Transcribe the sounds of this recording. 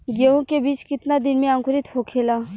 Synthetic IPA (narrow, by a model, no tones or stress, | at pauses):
ɡeõkebiːt͡ʃkɪt̪nad̪ɪnmẽãŋkʊɾɪt̪ɦoːkʰeːlaː